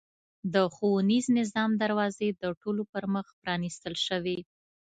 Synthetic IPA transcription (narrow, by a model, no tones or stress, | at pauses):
d̪əxowuniznɪzɑmd̪aɾwɑzed̪əʈolopəɾməxpɾɑnist̪əlʃəwi